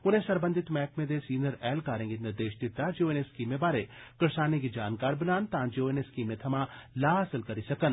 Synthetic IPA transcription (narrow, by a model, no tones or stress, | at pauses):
ʊnẽsɐɾbə̃nd̪ʱɪt̪mɛːkmẽd̪esiːnəɾɛːlkaːɾẽːŋɡenɪɾd̪eːʃd̪ɪt̪ːad͡ʒoeneskiːmːẽbaːɾekɐɾsaːnẽɡid͡ʒaːnkaːɾbɐnaːnt̪ãːd͡ʒeoeneskiːmːẽt̪ʰɐmãlaːɦaːsɪlkɐɾisɐkən